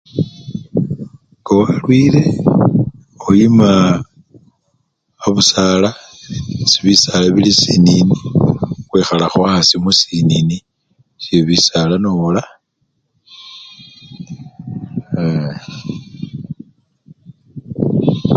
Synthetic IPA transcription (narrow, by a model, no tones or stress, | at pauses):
ɡ̥owalwiɾe̞ | ojima | βusala | siβisalaβilisininixwexalaxwaasimusinini | sjeβisalanola